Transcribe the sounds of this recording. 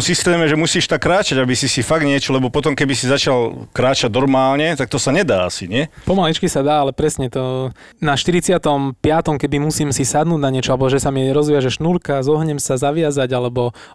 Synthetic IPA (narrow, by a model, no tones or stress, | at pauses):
msist̪ɛːmɛʒɛmusiːʃt̪akːɾaːt͡ʃaɟabisisifaɡ̪̚ɲɪɛt͡ʃɔlɛbɔpɔt̪ɔmkɛbisizat͡ʃalkɾaːt͡ʃaɟ̚nɔɾmaːlɲɛt̪ak̚t̪ɔsaɲɛd̪aːasiɲɪɛpɔmalit͡ʃkisad̪aːalɛpɾɛsɲɛt̪ɔ | naʃt̪iɾit͡sɪat̪ɔmpɪat̪ɔmkɛb̪imusiːmsisad̪nuːɟnaɲɪɛt͡ʃɔalɛbɔʒɛsamiɾɔzʋɪaʒɛʃnulkazɔɦɲɛmsazaʋɪazaɟalɛbɔ